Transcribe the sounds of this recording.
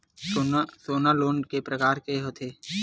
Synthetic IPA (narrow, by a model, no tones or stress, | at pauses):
osoːnaloːɳkepɾɐkaːɾkeɦot̪ʰeː